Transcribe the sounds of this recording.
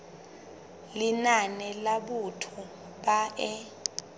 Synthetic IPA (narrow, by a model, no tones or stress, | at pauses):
linanɛlaɓutʰu | ɓaʔɛ